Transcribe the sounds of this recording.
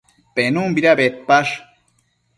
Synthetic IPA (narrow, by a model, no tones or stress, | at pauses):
penumbiɾabet̪̚paʂ